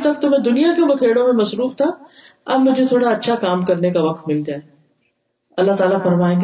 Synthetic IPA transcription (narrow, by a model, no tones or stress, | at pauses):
t̪ɐk̚t̪ʊmẽd̪ʊnijakjũbɐkʰeːɽõmẽmɐsɾuːft̪ʰaɐmʊ̃d͡ʑʱet̪ʰoːɽaɐtːʃʰakaːmkɐɾnekaʋɐk̚t̪mɪld͡ʑaːɦe | ɐlːaɦt̪aːlafɐɾmaːẽ